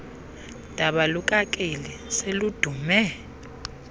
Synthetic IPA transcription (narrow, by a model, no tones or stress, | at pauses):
d̥ʱaɓalukʼakʼeliselud̥ʱumɛ